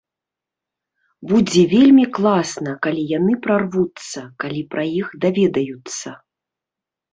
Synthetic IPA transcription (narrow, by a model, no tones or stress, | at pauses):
bud͡zʲɛvʲelʲmʲiklˠasnɐkalʲijanɨpɾarvut̪sːɐkalʲipɾʔajixd̪avʲɛd̪ɐjut̪sːɐ